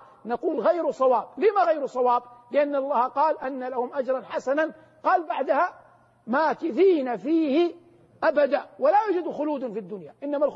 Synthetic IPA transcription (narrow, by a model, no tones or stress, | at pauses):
naquːlɣajɾsˤɑwɑːb̚lɪmaɣajɾsˤɑwɑːb̚lɪʔanːɑlˤːɑːhqɑːlʔanːalahʊmʔad͡ʒɾˤɑnħasanan | qɑːlbaʕd̪aha | maːkɪθiːnafiːhɪ | ʔabad̪aːwɪlajuːd͡ʒad̪xʊluːd̪nfid̪ːʊnjaʔɪnːamal